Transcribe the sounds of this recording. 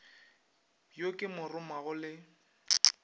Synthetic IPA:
jokʼɪmʊrʊmaɣʊlɪ

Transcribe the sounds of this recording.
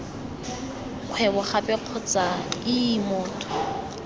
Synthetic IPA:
q͡χʰwɛbɔχapʼɛq͡χʰɔt͡sʼaiːmɔːtʰʼɔ̥

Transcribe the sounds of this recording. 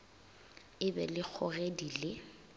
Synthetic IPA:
ɪbɛlɪk͡xʰɔredilɪ

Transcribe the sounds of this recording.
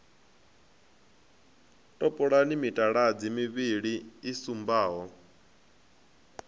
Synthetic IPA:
tʼɔpʼɔɺanimitʼaɺad͡zimiβiɺiːsumbaːɦɔ

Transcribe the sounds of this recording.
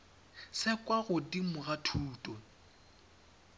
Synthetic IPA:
sɪkʼwaɣʊdimʊɣatʰuːtʼɔ

